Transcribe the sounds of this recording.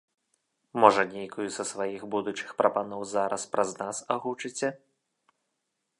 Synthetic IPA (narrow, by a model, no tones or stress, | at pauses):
mɔʐɐnʲejkujuzɐsʋajixbud̪ut͡ʂɨ̥xpɾɐpanɔwzaɾɐspɾɐznasaɣut͡ʂɨt͡sʲɐ